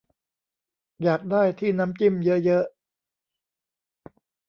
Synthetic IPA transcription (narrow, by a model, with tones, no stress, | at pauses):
jaː˨˩k̚daː˥˩jt̪ʰiː˥˩na˦˥mt͡ɕi˥˩mjɤ˦˥ʔjɤ˦˥ʔ